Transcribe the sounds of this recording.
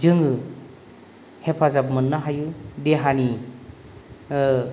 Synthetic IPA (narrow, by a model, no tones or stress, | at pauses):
zɯŋɯ | hepʰazabmɯnːaɦajudeɦani